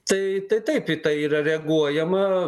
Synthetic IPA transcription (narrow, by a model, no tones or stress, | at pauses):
t̪ɐɪt̪ɐɪt̪ɐɪpɪt̪ɐɪiːɾɐɾʲɛɐɡuɔjɛmɐ